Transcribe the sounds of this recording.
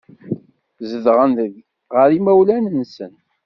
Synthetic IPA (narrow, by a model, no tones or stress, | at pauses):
zəðʁənðəɡ | ʁəɾimæwlænənsən